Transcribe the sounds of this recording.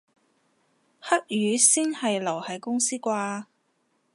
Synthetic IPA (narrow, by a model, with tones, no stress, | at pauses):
hɐ˥k̚jyː˨˧siː˥nhɐ˨jlɐ˨˩whɐ˨˥jkʊ˥ŋsiː˥kʷaː˧